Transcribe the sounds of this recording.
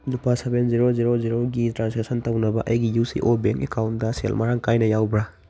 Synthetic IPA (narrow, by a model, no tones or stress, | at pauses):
nupʰasebenziɾoziɾoziɾoɡitɾanseksɐntɐwnɐbɐʔɐjɡijusḭʔobeŋkekawntdɐsḛlmaɾaŋkajnɐjawbɾa